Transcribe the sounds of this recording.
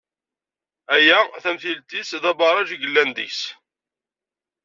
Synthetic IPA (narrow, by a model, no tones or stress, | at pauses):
æjæθæmθilt̪iθðæbɑɾˤɑʒiɡəlːænd̪ḭçs